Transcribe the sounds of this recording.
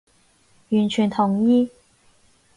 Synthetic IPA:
y˨˥nt͡ɕʰy˨˥nt̪ʰʊ˨˥ŋi˥

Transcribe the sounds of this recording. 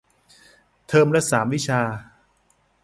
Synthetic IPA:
t̪ʰɤː˧mɾa˦˥saː˩˦mwi˦˥t͡ɕʰaː˧

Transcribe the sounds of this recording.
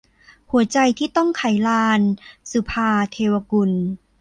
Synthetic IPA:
hu˨˩˦ɐ˦t͡ɕa˧jt̪ʰiː˥˩t̪ɔ˥˩ŋkʰa˨˩˦jlaː˧nsu˧˦pʰaː˧t̪ʰeː˧wa˧ku˧n

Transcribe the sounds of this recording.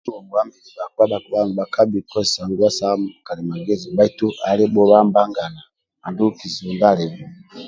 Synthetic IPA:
ɔ˨ŋɡu˦a˦mbi˨li˨ba˨ku˦a˦ɓa˨ku˨ba˦ŋ˨ba˨kʰa˦bi˨kɔ˦˨sa˨ŋɡu˦a˦sa˦m˨ka˨lɛ˨ma˨ɡɛ˦zi˨ba˦i˦tu˦ʔa˨li˦bɔ˦βa˦mba˦ŋɡa˨na˨ | a˨ndu˦ki˨zɔ˨nda˦lɛ˨ɛ˨

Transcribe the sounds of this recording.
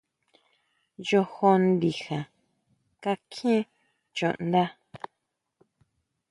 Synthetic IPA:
jo˧ho˧nd̪i˨xã˨ | ka˦kʰĩ˦ | t͡ʃõ̰˨ʔnd̪a˦

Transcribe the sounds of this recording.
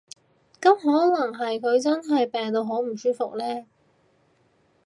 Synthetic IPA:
kɐ˨˥mɦɔː˨˥nɐ˨˩ŋɦɐ˨jkʰɵ˨˧ɥt͡sɐ˥nɦɐ˨jpɛː˨ŋt̪o˧wɦoː˨˥m̩˨˩syː˥fʊ˨k̚lɛː˥

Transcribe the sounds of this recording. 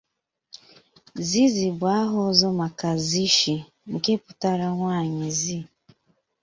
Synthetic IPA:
zi˦zi˨ba˨˦a˦ɦʊ˦zɔ˦ma˨ka˨zi˦ʃi˨ | ŋ̩˨ke˦pʊ̥˦ta˦ɾa˦ŋʷaː˦˨ɲɪ˨zi˦

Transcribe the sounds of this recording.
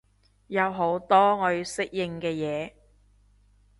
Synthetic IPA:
jɐ˨˧wɦo˨˧˥wt̪ɔː˥ŋɔ˨˧jsɪ˥k̚jɪ˨ŋkɛː˧jɛː˨˧

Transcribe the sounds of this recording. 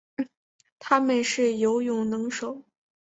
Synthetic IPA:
t̪ʰa˥mə˨nʂɻ̩˥˩jo˧˥ʊjʊ˥˩ŋnɤ˧˥ŋʂo˨˩˦ʊ

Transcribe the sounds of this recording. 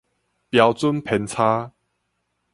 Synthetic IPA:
pja˨˦wt͡su˦npʰɛ˨˦nt͡sʰa˦

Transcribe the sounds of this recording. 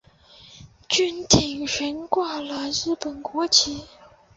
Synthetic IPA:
t͡ɕy˥nt̪ʰi˨˩ŋʂə˧˥nkwa˥˩lə˨ɻɻ̩˥˩pə˨˩nkwɔ˧˥t͡ɕʰi˧˥

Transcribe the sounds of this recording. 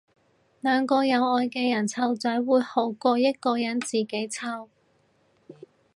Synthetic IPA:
lœː˨˧˥ŋkɔː˧jɐ˨˧wɔː˧jkɛː˧jɐ˨˩nt͡sʰɐ˧wt͡sœː˨˥jwuː˨˧jho˨˥wkɔː˧jɐ˥t̚kɔː˧jɐ˨˥nt͡siː˨ke˨˥jt͡sʰɐ˧w

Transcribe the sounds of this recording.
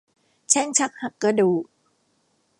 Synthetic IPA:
t͡ɕʰɛ˥˩ŋt͡ɕʰa˦˥k̚ha˨˩kːɾa˧˩duː˨˩

